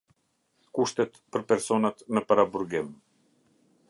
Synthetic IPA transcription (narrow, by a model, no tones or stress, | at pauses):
kuʃt̪ɛt̪pəɾpɛɾsɔnat̪nəpaɾabuɾɡɪm